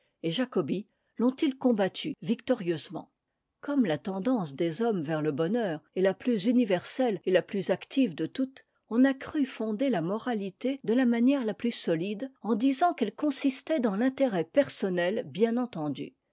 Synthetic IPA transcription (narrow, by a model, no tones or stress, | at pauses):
eʒakɔbi | lɔ̃t̪ilkɔ̃bat̪ʰyvikt̪ɔʁjøzmɑ̰̃ | kɔmlat̪ɑ̃d̪ɑ̃sd̪ezɔmvɛʁləbɔnœːʁɛlaplyzynivɛʁsɛlelaplyzakt̪ʰivd̪ət̪ut̪ | ɔ̃nakχyfɔ̃d̪elamɔʁalit̪ed̪əlamanjɛʁlaplysɔlid̪ɑ̃d̪izɑ̃kɛlkɔ̃sist̪ɛd̪ɑ̃lɛ̃t̪eʁɛpɛʁsɔnɛlbjɛ̃nɑ̃t̪ɑ̃d̪y̰